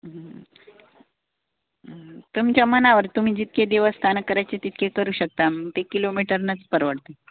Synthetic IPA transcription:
t̪umt͡ɕjamənaʋəɾt̪um̤iːd͡ʑit̪̚ked̪eʋəst̪ʰankəɾajt͡ɕet̪it̪̚kʰekəɾuːɕək̚t̪amət̪ekilomiʈəɾnət͡spəɾʋəɽt̪e

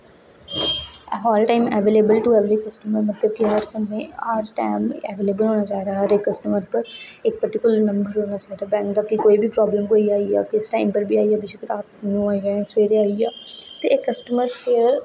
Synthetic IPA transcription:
ɦɔːlʈãːɪmɛːʋeːleːbəlʈuɛʋɾeːkəsʈəməɾmət̪ləb̚kiɦəɾsəmẽːəɾʈa̰ːmɛːʋeːleːbəlɦoːnaːt͡ʃaːɦd̪aːɦəɾekːəsʈəməɾpəɾɪk̚pəɾʈɪkʊlnə̃mbəɾɦoːnaːt͡ʃaːd̪aːbɛ̃ːŋkd̪aːkikoːibʱiːpɾɔːbləmkoːiaːia̰ːkɪsʈãːɪmpəɾbʱiːaːiaːbɪʃeːkəɾaːt̪nũaːijaːãːsʋeːɾeaːiaːt̪eːekːəsʈəməɾpʰɪɾ

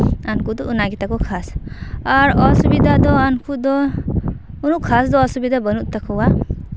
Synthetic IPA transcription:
ankud̪ɔʔunaɡit̪akɔkʰasaɾɔsubid̪ʱad̪ɔankud̪ɔ | unuʔkʰasd̪ɔɔsubid̪abənuʔt̪akʰɔwa

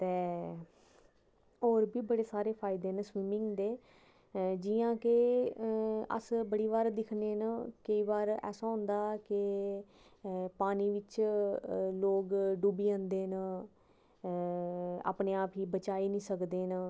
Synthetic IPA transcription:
t̪eː | oːɾbiːbəɽeːsaːɾeːpʰaːɪd̪eːnəswɪːmɪ̃ŋɡd̪eː | d͡ʒiãːke | ə̰sbəɽiːʋaːɾd̪ɪkʰneːnkəiːʋaːɾɛ̰ːsãːɦʊ̃nd̪aːkɪ | paːniːʋɪt͡ʃ | loːkɖuːbiːə̃ːnd̪eːn | a̰ːpneːaːpiːbət͡ʃaːiːnĩːsəkd̪eːna

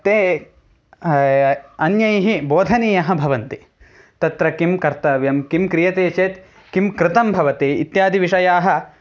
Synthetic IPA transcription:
t̪eː | ɐnjɐjɦiboːd̪ʱɐniːjɐɦɐ̆bʱɐʋɐnt̪i | t̪ɐt̪ɾɐkimkɐɾt̪ɐʋjɐmkimkɾijɐt̪eːt͡ʃeːt̪ | kimkɾɪt̪ɐmbʱɐʋɐt̪eːit̪jaːd̪ʱiʋiʂɐjaːɦɐ̆

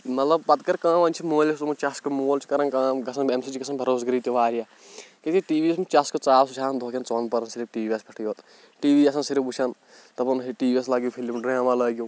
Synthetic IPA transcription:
mɐt̪lɐb̚pɐt̪kɐɾkãːʋɐnt͡ʃʰimoːlest̪umut͡ʃɐskɐmoːlt͡ʃʰi̥kɐɾɐnkãːɡɐsʰɐnbemsit͡ʃʰiɡɐsɐnbʱɐɾoːs̬ɡɐɾiːt̪iʋaːɾijaː | ket̪iʈiːʋiːesmut͡ʃʲaskɐt͡saːwsut͡ʃʰaːnd̪ʱoːkʲɐnt͡soːnpɐɾɐnsiɾibʈiːʋiːʋiɐspʰɐʈʰjoːt̪ | ʈiːʋiːɐsɐnsiɾibut͡ʃʰɐn | t̪ɐpɐniʈiːʋieslɐɡjopʰilimɖɾaːmaːlɐːɡʲjoː

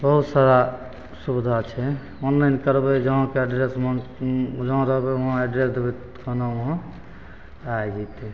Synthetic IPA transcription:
bəɦut̪saɾa | subd̪ʱat͡ʃʰɛ | ɔnlajnkəɾbɛd͡ʒəɦãkeɛɖɾesm | d͡ʒəɦãɾəɦbeəɦãeɖɾesd̪ebɛ | kənaɦə̃ | ajd͡ʒɛt̪i

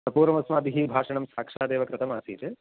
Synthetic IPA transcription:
ɐpuːɾɐmɐsmaːd̪iɦibʱaːʂɐɳɐmsaːkʂaːd̪eːʋɐkɾɐt̪ɐma̰ːsḭːt̪e

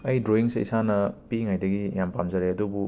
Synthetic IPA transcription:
ɐjdɾoiŋsḛḭsanɐpiŋajdɐɡijampamzaɾeɐdubu

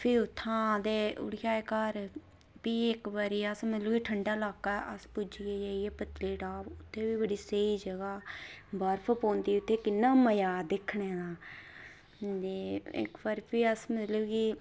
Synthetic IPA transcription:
pʰɪɾʊt̪ʰːãːd̪eːʊ̰ɽjaːekəɾ | piːɪkbəɾiːəsmət̪luːɡiːʈʰəɳɖaːlaːkːaːʔəspʊd͡ʒiːeːd͡ʒaijeːpət̪leːʈaːʋʊt̪ʰːẽːbiːbəɽiːsəiːd͡ʒəɡaːbəɾpʰpõːnd̪iːʊt̪ʰːeːkɪnːaːməjaːd̪ɪkʰːɳeːd̪aː | d̪eɪ̰kbəɾpiːəsmɪlukiː

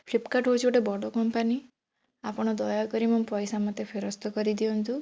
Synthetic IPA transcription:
pʰlipkaʈɦot͡ʃʰuʈebɔɽɔkɔmpani | apɔɽ̃ɔd̪ɔjakɔɾimɔmpɔjsamɔt̪epʰeɾɔst̪ɔkɔɾid̪iɔnt̪u

